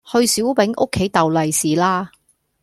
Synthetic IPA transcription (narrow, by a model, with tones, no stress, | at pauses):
hɵ˧ɥsiː˨˥wpɪ˨˥ŋʔʊ̰˥kʰːe˨˥jt̪ɐ˨wlɐ˨jsiː˨laː˥